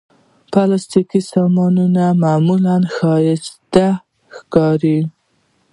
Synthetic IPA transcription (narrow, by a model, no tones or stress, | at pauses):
pɑlast̪ikisɑmɑnunamamulanxɑjɪʃt̪a | xkɑɾi